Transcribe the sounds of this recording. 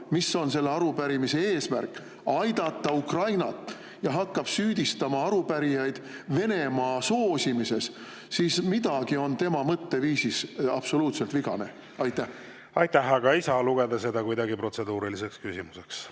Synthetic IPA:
misːo̞nse̞lːeɑɾupæɾimise̞e̞ːsmærkːˑ | ɑjd̪ɑt̪ːˑɑukrɑjnɑt̪ːˑ | jɑɦɑkːɑb̥syːd̪̥ist̪ɑmɑɑɾupæɾijɑjd̪̥ve̞ne̞mɑːso̞ːsʲimise̞s | siːsmid̪̥ɑɡ̥io̞nt̪e̞mɑmɤt̪ːe̞viːsisɑb̥so̞luːt̪se̞lt̪viɡɑ̰ne̞̰ | ɑjt̪ːˑæh | ɑjt̪ˑːæhɑɡ̥ɑejsɑːluɡ̥ed̪ɑse̞d̪ɑkujd̪ɑɡipro̞t̪se̞d̪uːɾilise̞kskysimuseks

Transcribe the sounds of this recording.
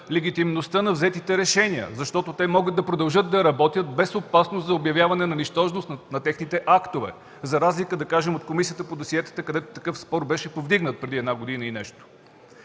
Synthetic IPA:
lɛɡ̟it̪imnost̪ənɐvzɛt̪it̪ɛɾɛʃɛniə̰zɐʃt̪ɔt̪ot̪ɛmɔɡəd̪̚d̪ɐpɾod̪ɐlˠʒɤd̪̚d̪ɐɾɐbɔt̪ʲjət̪̚bɛsopasnoszɐobjɐvjavɐnɛnɐniʃt̪ɔʒnosnɐt̪ɛxnit̪ɛʔakt̪ovɛ̰ | zɐɾazlikəd̪ɐkaʒɛmot̪̚komisijət̪əpod̪osiɛt̪ə̥t̪əkɐd̪ɛt̪o̥t̪ɐkɤfspɔɾbɛʃɛpovd̪iɡnət̪̚pɾɛd̪iɛd̪naɡod̪inəinɛʃt̪o̥

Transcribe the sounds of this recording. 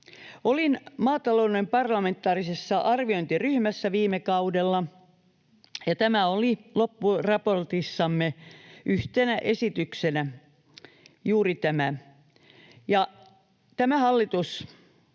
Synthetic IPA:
olinmɑːt̪ɑlounempɑrlɑment̪ːˑɑːrisesːɑʔɑrʋioint̪iryhmæsːæʋiːmekɑudelːɑ | jɑt̪æmæolilopːurɑport̪isːɑmːeʔyht̪enæʔesit̪yksenæ | juːrit̪æmæ | jɑ | t̪æmæhɑlːit̪us

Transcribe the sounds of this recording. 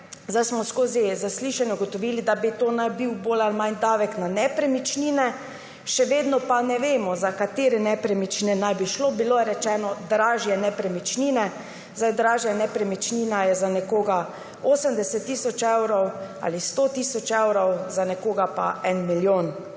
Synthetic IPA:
zd̪ajsmɔskoːzizasliːʃanjɛɡɔt̪ɔʋiːlid̪abit̪oːnajbiwboːlalmand̪aːʋɛknanɛpɾɛmit͡ʃniːnɛ | ʃɛʋeːd̪nɔpanɛʋeːmɔzakat̪eːɾɛnɛpɾɛmit͡ʃniɛnajbiʃlobiloːjɛɾɛt͡ʃɛːnɔd̪ɾaːʒjɛnɛpɾɛmit͡ʃniːnɛ | zajd̪ɾaːʒjanɛpɾɛmit͡ʃniːnajɛzanɛkoːɡa | oːsəmd̪ɛsɛt̪ːiːsɔt͡ʃɛwɾɔwa̰ːlist̪oːt̪iːsɔt͡ʃɛwɾɔwzanɛkoːɡapa̰ɛnmiljoːn

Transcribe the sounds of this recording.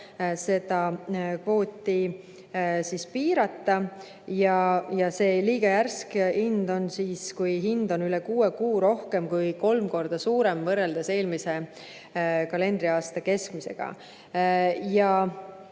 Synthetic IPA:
se̞d̪̥ɑpo̞ːt̪ʲːi | sispiːɾɑt̪ˑːɑ | jɑjɑse̞ːliːɡ̥ɑjærskind̪o̞nsiːskujɦind̪̥o̞nylekuːekuːɾo̞hke̞mkujko̞lmko̞rd̪̥ɑsuːɾe̞mvɤrːe̞ld̪̥ɑse̞ːlmise̞ | kɑle̞nd̪̥ɾiɑːst̪ɑke̞skmise̞̰ɡ̥ɑ̰ | jɑ

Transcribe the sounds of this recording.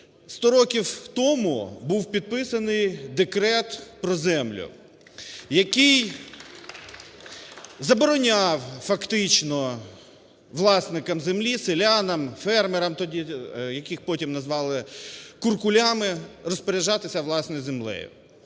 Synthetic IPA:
st̪ɔɾɔkʲiwt̪ɔmʊbuwpʲid̪̚pɪsɐnɪjd̪ekɾɛt̪pɾɔzɛmlʲʊ̰ | jɐkɪj | zɐbɔɾɔnʲaɑwfɐkt̪ɪt͡ʃnɔ | ʋlˠɑsnɪkɐmzemlʲiselʲanɐmfɛrmeɾɐmt̪ɔdʲijɐkɪxpɔtʲimnɐzʋɑlˠɪkʊrkʊlʲamɪɾrɔspeɾʲɪʒɑt̪ɪsʲɐʋlˠɑsnɔjzemlˠɛ̰jʊ̰

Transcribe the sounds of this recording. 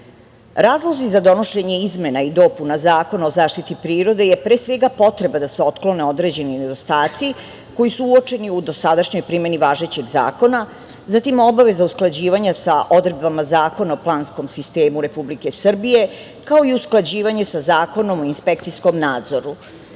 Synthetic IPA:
ɾaːzlˠozizad̪o̞no̞ʃe̞ɲe̞izme̞naid̪o̞punazaːko̞nao̞zaːʃt̪it̪ipɾiːɾo̞d̪e̞je̞pɾe̞ːsʋe̞ɡapo̞t̪ɾe̞bad̪aseo̞t̪klo̞ne̞o̞d̪ɾe̞d͡ʑe̞nine̞d̪o̞st̪aːt̪si | ko̞jisuuo̞t͡ʂe̞niud̪o̞sad̪aʃɲo̞jpɾime̞niʋaːʒe̞t͡ɕe̞ɡza̰ːko̞na | zat̪imo̞baʋe̞zausklˠad͡ʑiːʋaɲasaʔo̞d̪ɾed̪bamazaːko̞naoplˠaːnskomsist̪e̞ːmuɾe̞publike̞sr̩bije̞ | kao̞iusklˠad͡ʑiːʋaɲe̞sazaːko̞no̞moinspekt̪sisko̞mnaːd̪zo̞ɾu

